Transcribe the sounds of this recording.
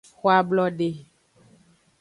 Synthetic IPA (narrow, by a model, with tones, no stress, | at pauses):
xwa˦blɔ˦ɖe˦